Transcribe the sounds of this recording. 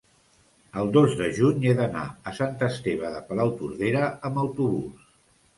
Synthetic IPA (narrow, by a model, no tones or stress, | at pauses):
əlˠd̪ozðəʒuɲeðəna̰əsant̪əst̪eβ̞əðəpəlawt̪uɾðeɾəəməwt̪uβṵs